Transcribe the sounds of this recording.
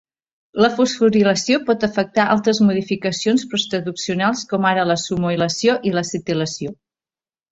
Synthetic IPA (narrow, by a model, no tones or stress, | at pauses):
ləfusfuɾiləsiopɔt̪əfək̚t̪aʔa̰lˠt̪ɾəzmuðifikəsionspɾust̪ɾəðuksiunalˠskɔmaɾələsumuiləsioʔiləsit̪iləsio